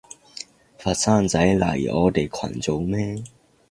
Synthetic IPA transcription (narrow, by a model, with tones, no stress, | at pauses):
fa˨˩sa˥˧˨nt͡sa˨˦jla̰˨˩ḭ˨˩ʔɔ̰˧˦t̪e˨˩˨kʰwa̰˨˩nt͡so˨˦wmɛ̃˦